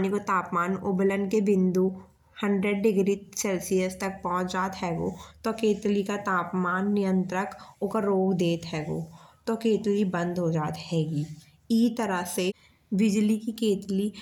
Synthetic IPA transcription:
nikot̪aːpmaːnobələnkebɪ̃nd̪u | hə̃ɳɖɾəɖɖɪɡɾisɛːlsijəst̪ɐk̚pɔ̃ɦʊ̃t͡ʃd͡ʒaːt̪ɦɛːɡo̰t̪okeːt̪likat̪aːpmaːnːɪjə̃nt̪ɾəkʊkaɾoːɡd̪eːt̪ɦɛːɡoːt̪okeːt̪libə̃nd̪ʱɦod͡ʒaːt̪ɦɛːɡiː | iːt̪əɾəse | bɪd͡ʒlikikeːt̪li

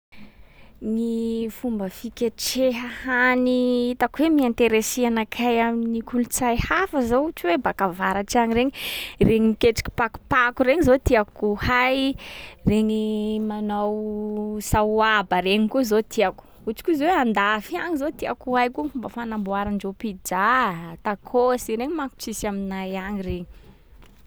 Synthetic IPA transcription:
nifumbəfikʲeʈ͡ʂeɦəhaniit̪akuwemiant̪eɾeseanakʰajaminikulut͡sajhafəzout͡siwebakavaɾaʈ͡ʂaɲiɾeɲireɲiikeʈ͡ʂi̥kʲi̥paku̥pakureŋizot̪iakuhajreɲimanawsauabəɾeɲikuzot̪ʰiaku̥ | ut͡si̥kuzoweand̪afiaŋizot̪iakuɦajkufumbəfanambuaɾaɳd͡ʒopid͡ʒat̪akʰosiɾeɲimaku̥ʈ͡ʂisaminajaŋireɲi̥

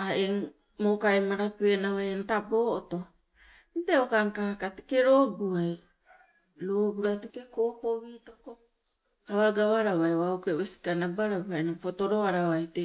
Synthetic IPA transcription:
aeŋ | mokajmaɾapenawajentabo̞ːoto̞ | nteokaŋkakate̥ke̞ɾo̞ɡuaj | ɾoɡuɾatekekokoβitoko | aβaɡaβaɾaβajwaokeβesi̥kanabaɾapanapoto̞ɾo̞aɾaβajte

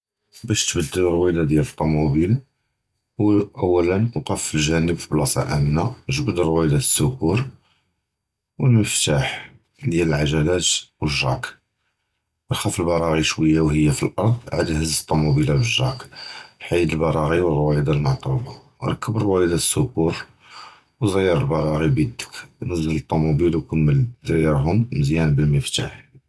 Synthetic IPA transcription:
bæʃt̪bəd̪ːələɾˤwid̪ɑd̪jælət̪ˤːumubil | wʔəwːælənwqɑfːəlʒænəbfiblɑsˤɑ̰ʔæmnaʒəbəd̪ərˤwid̪æsːʊkuɾ | wəlməft̪aħ | d̪jæləlʕaʒælæt̪wəʒɾɑk | ɾxæfəlbɑɾˤɑɣiʃwəjːawhəjːafilʔɑɾˤd̪ˤʕa̰d̪æhəzːt̪ˤːumubilabəʒɾɑkħajd̪əlbɑɾˤɑɣiwərˤwæjid̪almɑʕt̪ˤubɑ | ɾˤɑkːəbəɾwæjid̪aə̥sːʊkuɾ | wzəjɑɾˤəlbɑɾˤɑɣibid̪ə̥knəzələt̪ˤːomubilwkəmːəld̪jəɾɦʊmːəzjænbəlməft̪aħ

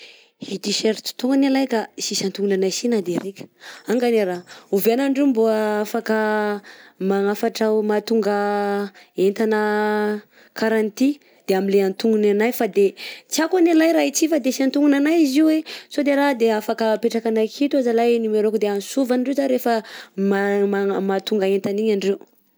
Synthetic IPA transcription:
hit̪iʃeɾt͡si̥t̪oŋɡanalajkaisisant̪uɡunanajsinad̪eɾekʲə̥aŋɡaneɾauveanaɳɖ͡ʐomboəafakə | maŋafaʈ͡ʂamat̪uŋɡə | ent̪anə | kʰaɾant̪i | d̪̥eamileant̪uŋɡunanajfad̪et͡siakanelajɾait͡sifad̪esiant̪uŋunanajiziwesod̪eɾad̪eafakəpeʈ͡ʂakanajkʰit̪uazalajnimeɾokud̪eanisuvanɳɖ͡ʐezaɾefəmamamat̪uŋɡaent̪aniɲaɳɖ͡ʐew

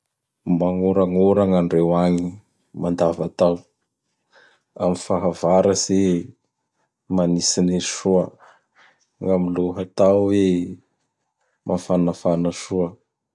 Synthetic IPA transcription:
maŋoɾaŋoɾaŋaɳɖ͡ʐewaɲi | mand̪avat̪aw | amifaɦavaɾəse | manisineʃuə | ŋamiluɦat̪awwe | mʔafanafanəʃuə

